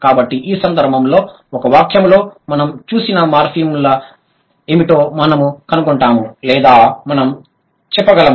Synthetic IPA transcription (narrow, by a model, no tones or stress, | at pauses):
kaːbɐʈːiʔiːsɐnd̪ʱɐɾbʱɐmlo̞ː | ɔkɐʋaːkʰjɐmlo̞ːmɐnɐmt͡ʃuːsinɐmaːɾpʰiːmlɐ | emiʈo̞ːmɐnɐmukɐnukuɳʈaːmulɛːd̪aːmɐnɐm | t͡ʃɛpːɐɡɐlɐm